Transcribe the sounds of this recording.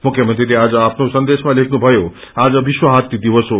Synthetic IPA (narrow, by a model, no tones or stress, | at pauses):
mukʰjəmənt̪ɾiliad͡zʌapʰnosʌnd̪esmãlekʰnubʱʌjo | ad͡zʌbiswəɦat̪ːid̪iʋəso